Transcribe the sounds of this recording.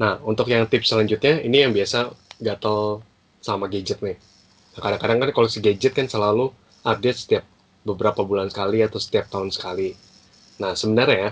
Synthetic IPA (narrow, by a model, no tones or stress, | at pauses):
nahunt̪ʊkjaŋt̪ɪp̚səlaɲd͡ʒut̪̚ɲainijaŋbiasaɡat̪al | samaɡed͡ʒət̪̚nɪh | nahkadaŋkadaŋkankalosiɡed͡ʒɛt̪̚kansəlalu | ap̚det̪̚sə̥t̪iap̚ | bəbəɾapabulansə̥kaliat̪awsə̥t̪iap̚t̪aɦʊnsə̥kali | nahsəbənərɲaja